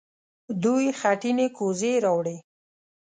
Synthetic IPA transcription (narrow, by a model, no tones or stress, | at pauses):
d̪ujxaʈinekozeɾɑwɽe